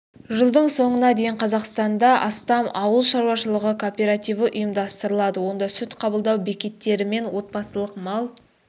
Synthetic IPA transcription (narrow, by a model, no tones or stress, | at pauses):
ʒəlˠd̪əɴso̞ɴənɑd̪e̞jɪɴqʰɑzɑqst̪ɑnd̪ɑʔɑst̪ɑmɑwəlˠʃɑɾuwɑʃəlˠəʁəkʰo̞pʲe̞ɾat̪ijvəʔʊjəmd̪ɑst̪əɾəlˠɑd̪əwo̞nd̪ɑsʏt̪qʰɑbəlˠd̪ɑwbekʲe̞t̪ːe̞ɾɪme̞nwo̞t̪̚pɑsəlˠəqmɑlˠ